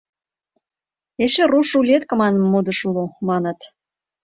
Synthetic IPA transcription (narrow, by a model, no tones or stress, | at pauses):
eʃĕruʃulʲet̪̚kə̆mɑnmːod̪ə̆ʃulomɑnə̆t̪